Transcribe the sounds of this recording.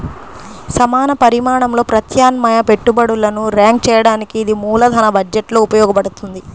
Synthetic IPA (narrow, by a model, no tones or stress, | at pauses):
sɐmaːnɐpɐɾimaːɳɐmlo̞ːpɾɐt̪ʰjaːnmɐjɐpe̞ʈːubɐɽulːɐnuɾjaːŋk̚t͡ʃɛːjɐɽaːnikiːd̪imuːlɐd̪ʱɐnɐbɐd͡ʒeʈlo̞ːupɐjɔːɡɐpɐɽut̪und̪i